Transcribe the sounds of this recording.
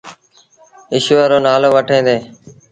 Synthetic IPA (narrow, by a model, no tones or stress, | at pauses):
ɪʃʋaːɾoːnaːloːʋəʈʰẽːd̪eː